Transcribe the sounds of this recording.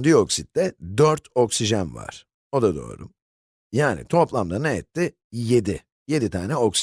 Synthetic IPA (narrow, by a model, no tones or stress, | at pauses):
d̪ijoksit̪̚d̪ɛd̪øɾt̪ʰo̞ksiʒanva̰ɾ̥ | o̞d̪ad̪o̰ːɾṵm | jaːnḭt̪ʰo̞plˠamd̪anɛɛt̪ʰːɪ | jed̪ɪ | je̞d̪it̪ʰaːnɛoks